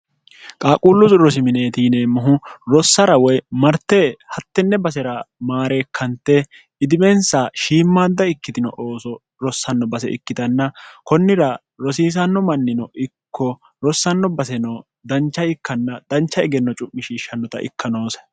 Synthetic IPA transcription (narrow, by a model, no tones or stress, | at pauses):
kʼaːkʼuːlːʊsɾɔs̬ɪmɪneːt̪iːneːmʊɦʊɾɔsːɐɾɐwɔjmɐɾt̪ːeːhɐt̪ːɛnːɛbɐs̬ɛɾɐmaːɾe̞ːkʰːɐnt̪ːɛ | ɪd̪ɪmɛnsaːʃiːmːaːd̪ːɐɪkːɪd̪ɪnɔ̰ʔo̞ːsɔ | ɾɔsːɐnːɔbɐsɛ̰ʔɪ̰kːɪd̪ɐnːɐkɔnːɪɾɐ | ɾɔsiːs̬ɐnːɔmɐnːɪnɔʔɪkːɔ | ɾɔsːɐnːɔbɐsɛnɔ | d̪ɐnt͡ʃːɐɪkːɐnːɐd̪̥ɐnt͡ʃːɐɪɡɛnːɔt͡ʃʼʊmːɪʃiːʃːɐnːɔt̪ɐ̰ʔɪ̰kːɐno̞ːs